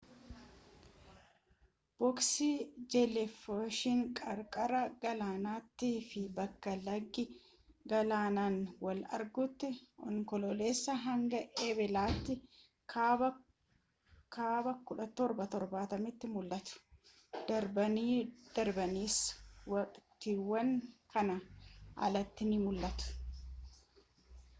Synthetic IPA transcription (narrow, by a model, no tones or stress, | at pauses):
b̥ɔksid͡ʒɛlɛfoʃɪŋkʼɐɾkʼɐɾɐɡɐlaːnaːt̪ːiːfɪbɐkːɐlɐɡːɪ | ɡɐlaːnaːnwɐlɐ̰ɾɡʊt̪ːɪʔɔŋkɔlɔleːsːɐɦɐŋɡɐʔebɛlaːt̪ːɪ | kʰaːbɐ | kʰaːbɐkʊᶑɐt̪ɔɾbɐt̪ɔɾbaːt̪ɐmɪt̪ːɪmʊlːɐt̪ʊ̥ | d̪̥ɐɾbɐniːd̪̥ɐɾbɐniːswɐkʼt̪ɪwːɐnkɐnɐʔɐ̰lɐt̪ːɪnɪmʊlːɐt̪ʊ̥